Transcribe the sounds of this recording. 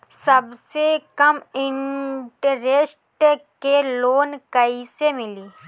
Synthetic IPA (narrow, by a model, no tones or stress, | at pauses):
səbsekəmɪ̃ɳʈəɾesʈkeloːnkəisemɪliː